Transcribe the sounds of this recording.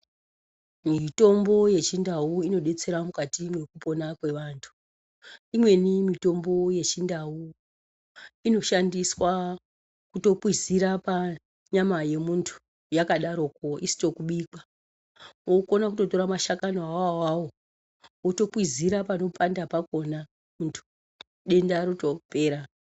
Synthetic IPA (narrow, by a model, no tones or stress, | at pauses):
mito̞mbo̞je̞t͡ʃindauino̞ɗe̞t͡se̞ɾamukatimwe̞kupo̞nakwe̞ʋaːntʰu̥ | imwe̞nimito̞mbo̞je̞t͡ʃindau | ino̞ʃandiswa | kuto̞pwiziɾapa | ɲamaje̞muntʰu̥ | jakaɗaɾo̞k̚oisi̥to̞kuɓiːka | oko̞nakuto̞to̞ɾamaʃakanoawawawo̞ | oto̞pwiziɾapano̞pʰandapako̞na | muntʰu̥ | ɗe̞ndaɾotope̞ːɾa